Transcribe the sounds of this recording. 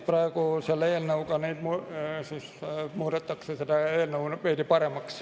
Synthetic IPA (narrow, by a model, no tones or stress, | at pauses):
prɑːkoseleːlneukɑniːt̪musismuːt̪et̪ːɑkseset̪æeːlneunpeːt̪ipɑremːˑɑks